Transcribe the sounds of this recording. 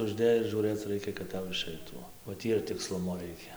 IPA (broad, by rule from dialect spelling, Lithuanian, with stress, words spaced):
ʊʒʲˈdʲeːjʊs ʒuːˈrɘt͡s ˈrɐɪkʲɛ kɐt ˈtɐʊ ɪˈʃɐɪtuː ˈoː oː ˈtʲiː ɪr tʲɪkˈslˠʊmoː ˈrɐɪkʲɛ